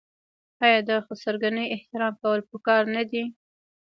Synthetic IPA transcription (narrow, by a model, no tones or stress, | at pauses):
ɑjɑd̪ɑxosaɾɡanəjɪht̪ɪɾɑmkawəlpəkɑɾnad̪i